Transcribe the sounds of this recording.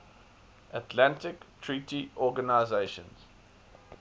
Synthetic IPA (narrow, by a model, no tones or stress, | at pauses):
ʔətʰlãntɪktʰɹitiʔɔɡənaɪzeɪʃə̰̃nz̥